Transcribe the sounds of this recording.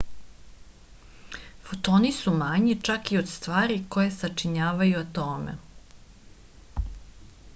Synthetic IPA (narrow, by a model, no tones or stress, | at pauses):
fot̪oːnisumaɲit͡ʃakiod̪st̪ʋaːɾiko̞jesat͡ʃiɲaːʋajuat̪oːmḛ